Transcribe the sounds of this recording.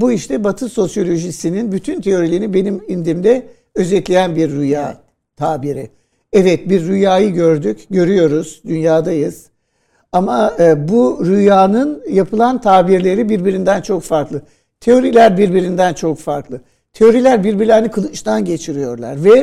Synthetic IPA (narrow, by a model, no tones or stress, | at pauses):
buiʃt̪ʰɛbat̪ʰɯso̞sjo̞lʲo̞ʒisininbyt̪ʰynt̪ʰe̞o̞ɾilʲeɾnibe̞nimind̪imd̪ɛ | ø̞zɛt̪lʲejænbiɾːuja̰ː | t̪ʰaːbiɾḭ | ɛvɛt̪̚biɾːujaːjɯɟøɾd̪ycɟø̞ɾyjo̞ɾuz̥d̪ynjaːd̪ajɯz̥ | amaɯbuɾujaːnɯnjapʰɯlˠant̪ʰaːbiɾlʲe̞ɾibiɾbiɾind̪ænt͡ʃʰo̞kfaɾklˠɯ | t̪ʰe̞o̞ɾilʲæɾbiɾbiɾind̪ænt͡ʃʰo̞kfaɾklˠɯ | t̪ʰe̞o̞ɾilʲæɾbiɾbiɾlʲænikʰɯlˠɯt͡ʃt̪ʰanɟe̞t͡ʃʰiɾijo̞̰ɾlˠa̰ɾvɛ